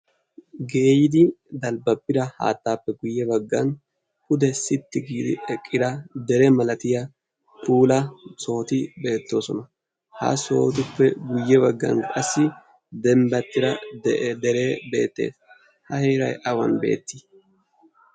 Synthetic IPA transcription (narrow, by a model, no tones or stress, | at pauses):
ɡe̞ːjɪd̪ɪd̪ɐlbɐpːɪd̪ɐha̰ːt̪ːaːpːɛɡʊjːɛbɐɡːɐn | ʔʊd̪ɛsɪt̪ːɪɡiːd̪ɪ̰ɛkʼːɪd̪ɐd̪ɛɾɛmɐlɐt̪ɪjɐ | puːlɐso̞ːt̪ɪbe̞ːt̪ːo̞ːsɔnɐ | hɐ̰so̞ːt̪ʊpːɛɡʊjːɛβɐɡːɐ̰nkʼɐsːɪ | d̪ɛmbɐt̪ːɪɾɐdd̪ɛɾe̞ːbe̞̰ːt̪ːe̞̰ːs | hɐheːɾɐ̰jʔɐwɐ̰nbe̞̰ːt̪ːɪ